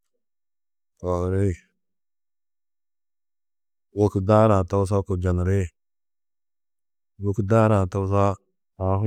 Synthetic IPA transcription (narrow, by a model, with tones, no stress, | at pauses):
ka˨hɾe˦˨ | wu˨kda˦ɾa˨ta˦ws̬a˦ku˨d͡ʒa˨n˨ɾe˦ | wu˨kda˦ɾa˨ta˦ws̬a˦ | a˨˦ɦ